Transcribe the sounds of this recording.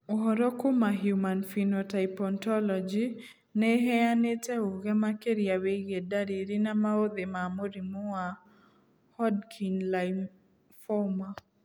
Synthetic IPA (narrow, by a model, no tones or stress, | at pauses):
ɔɦɔɾɔkomaɦjumanfinɔtajpɔntɔlɔd͡ʒi | nɛɦɛanetɛoɡɛmakeɾiaweɡedaɾiɾinamaod̪emamoɾimoa | hɔdkʰinla | fɔma